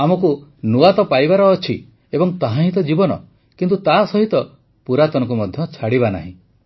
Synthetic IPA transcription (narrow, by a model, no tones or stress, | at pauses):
amɔkunuat̪ɔpajbaɾɔːt͡ʃʰi | ebɔŋt̪aɦãɦĩt̪ɔd͡ʒibɔnɔ̰ | kint̪̬ut̪asɔɦit̪ɔ | puɾat̪ɔnɔŋk̬umɔd̪ʱjɔt͡ʃʰaɽiβana̰ɦḭ̃